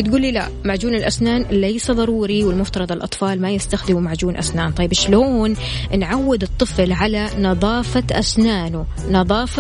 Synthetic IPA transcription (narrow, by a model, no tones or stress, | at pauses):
t̪̚ɡuːlːila̰ | maʕd͡ʒuːnɪlʔasnaːnlajsaðˤɑɾˤuːɾiwɪlmʊft̪ɑɾˤɑd̪ˤɪlʔɑ̰t̪ˤfɑːlmajɪst̪axd̪ɪmumaʕd͡ʒuːnʔa̰snaːnt̪ˤɑjːɪbʃloːn | nʕawːɪd̪ɨt̪ˤːɨflʕalanɑðˤɑːfaʔasnaːnʊ | nɑðˤɑːf